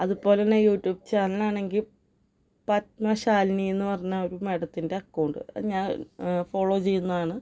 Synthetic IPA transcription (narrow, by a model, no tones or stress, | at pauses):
ɐðupo̞ːlenːejuːʈːjuːb̚t͡ɕaːnɐlaːɳe̞ŋɡil | pɐt̪mɐɕaːlnienːɨpɐrɐɲːaoɾumeɽɐt̪ːinde̞ɐkːɐwɳɖɨ̰ɐ̰ɲaːnfo̞ːɭo̞ːt͡ɕe̞jːunːɐðaːɳɨ